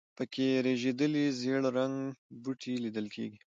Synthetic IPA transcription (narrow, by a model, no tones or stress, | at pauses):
pəkʰeɾeʒed̪əlizeɽoɾaŋɡbuʈʰilid̪əlkʰḛɡi